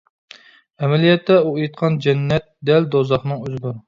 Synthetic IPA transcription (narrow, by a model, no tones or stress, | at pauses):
ɛmɛlijɛt̪ʰːɛuejt̪̚qʰɑnd͡ʒɛnːɛt̪̚d̪ɛld̪ozɑχnɨŋøzɪd̪uɾ